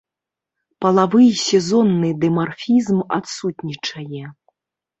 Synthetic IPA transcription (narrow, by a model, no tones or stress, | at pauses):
pɐlˠavɨjsʲɛzɔnːɨd̪ɛmarfʲizma̰t̪sut̪ʲnʲit͡ʂɐjɛ